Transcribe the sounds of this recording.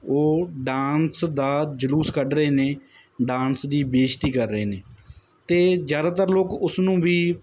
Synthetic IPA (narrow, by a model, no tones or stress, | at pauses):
oːɖãːnsd̪aːd͡ʒəluːskəɖɾəeːneː | ɖãːnsd̪iːbeːʃt̪iːkəɾːəeːneː | t̪eːzjaːd̪aːt̪əɾloːkʊsnũːʋiː